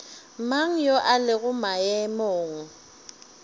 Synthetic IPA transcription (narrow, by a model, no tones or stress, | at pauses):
maŋ̩joʔalɪɣʊmajɛmoːŋ̩